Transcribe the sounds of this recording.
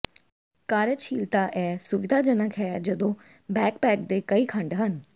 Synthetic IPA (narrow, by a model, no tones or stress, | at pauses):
kaːɾəʃʰiːlt̪aːʔɛːsʊʋɪd̪ʱaːd͡ʒənəkʰɦɛːd͡ʒəd̪õː | bɛːkpɛːk̚d̪eːkəiːkʰəɳɖɦən